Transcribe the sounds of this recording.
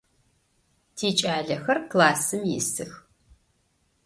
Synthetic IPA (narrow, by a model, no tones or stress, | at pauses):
tʰiːt͡ʃʼaːɮɐxɐrklaːsɨmjɪ̰sɨx